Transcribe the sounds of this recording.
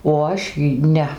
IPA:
oː ˈɐʃ iː ˈnʲɛ

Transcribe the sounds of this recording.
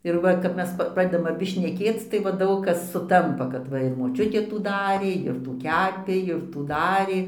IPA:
ɪr ˈʋɐ kɐp ˈmʲɛs pɐ ˈprɑːdʲɛdɐm ɐˈbʲɪ ʃʲnʲɛˈkʲeːt͡s tɐɪ ˈʋɐ ˈdɐʊk kɐs sʊˈtɐmpɐ kɐt ˈʋɐ ɪr moːˈt͡ʃʲʊtʲeː ˈtuː ˈdɑːrʲeː ɪr ˈtuː ˈkʲæːpʲeː ɪr ˈtuː ˈdɑːrʲeː

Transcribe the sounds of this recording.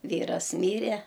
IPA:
ˈʋʲiːrɐs ˈmʲiːrʲɛ

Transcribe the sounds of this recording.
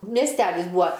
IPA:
mʲiɛsʲˈtʲæːlʲɪs ˈbuːɐ

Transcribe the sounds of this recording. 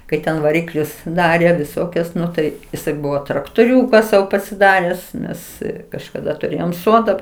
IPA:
kɐɪ ˈtʲɛn ʋɐˈrʲɪklʲʊs ˈdɑːrʲeː ʋʲɪˈsoːkʲɛs ˈnʊ tɐɪ jɪˈsɐɪ ˈbʊʋoː trɐktoːˈrʲuːkɐ ˈsɐʊ pɐsʲɪˈdɑːrʲɛs ˈnʲɛs kɐʃkɐˈdɐ tʊˈrʲeːjoːm ˈsoːdɐ

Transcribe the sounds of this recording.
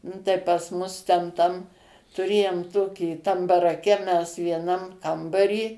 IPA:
ˈnʊ tɐɪ pɐs ˈmʊs tʲɛn ˈtɐm tʊˈrʲeːjoːm ˈtoːkʲiː tɐm bɐrɐˈkʲɛ mʲɛs ʋʲiɛˈnɐm ˈkɐmbɐrʲiː

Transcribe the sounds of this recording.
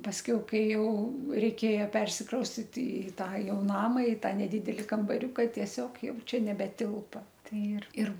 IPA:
pɐsʲˈkʲɛʊ ˈkɐɪ ˈjɛʊ rʲɛɪˈkʲeːjɛ ˈpʲɛrʲsʲɪkrɐʊsʲtʲɪt ˈɪ ˈtɑː ˈjɛʊ ˈnɑːmɐ ɪ ˈtɑː nʲɛˈdʲɪdʲɛlʲɪ kɐmbɐˈrʲʊkɐ tʲiɛˈsʲoːk ˈjɛʊ ˈt͡ʃʲɛ nʲɛbʲɛˈtʲɪlˠpɐ ˈtɐɪ ɪr ɪr

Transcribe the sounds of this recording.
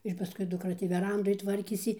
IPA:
ɪr pɐˈskʊɪ dʊkˈrɐ tʲiː ʋʲɛˈrɐndoːj ˈtʋɐrʲkʲeːsʲɪ

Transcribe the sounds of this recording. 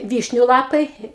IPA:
ˈʋʲiːʃʲnʲʊ ˈlˠɑːpɐɪ

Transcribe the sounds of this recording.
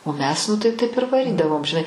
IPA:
oː ˈmʲɛs nʊ tɐɪ ˈtɐɪp ɪr ʋɐˈrʲiːdɐʋoːm ʒʲɪˈnɐɪ

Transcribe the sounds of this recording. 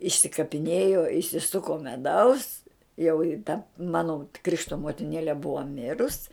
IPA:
ɪʃʲsʲɪkɐpʲɪˈnʲeːjoː ɪʃʲsʲɪˈsʊkoː mʲɛˈdɐʊs jɛʊ ɪ tɐ ˈmɑːnoː ˈkrʲɪʃtoː moːtʲɪˈnʲeːlʲɛ ˈbʊɐ ˈmʲɪrʊs

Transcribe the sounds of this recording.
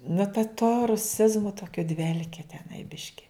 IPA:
nʊ tɐ toː rʊˈsʲɪzmʊ ˈtoːkʲʊ ˈdʲʋʲɛlʲkʲeː tʲɛˈnɐɪ ˈbʲɪʃʲkʲɪ

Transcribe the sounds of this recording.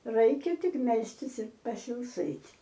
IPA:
ˈrɐɪkʲɛ ˈtʲɪk ˈmʲɛlʲsʲtʲɪs ɪr pɐsʲɪlˠˈsɘtʲ

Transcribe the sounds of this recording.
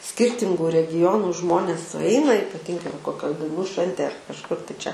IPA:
ˈsʲkʲiːrʲtʲɪŋɡʊ rʲɛɡʲɪˈjoːnʊ ˈʒmoːnʲeːs sʊˈɛɪnɐ iːpɐˈtʲɪŋɡɐɪ ʋɐ koːˈkʲoːj dɐɪnuː ˈʃʲʋʲɛnʲtʲeːj ɐr kɐʃˈkʊr tɐɪ ˈt͡ʃʲɛ

